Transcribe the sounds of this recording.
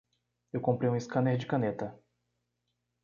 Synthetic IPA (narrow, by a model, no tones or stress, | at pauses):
ewkõmpɾejũɪskɐ̃neɾd͡ʒɪkɐ̃net̪ɐ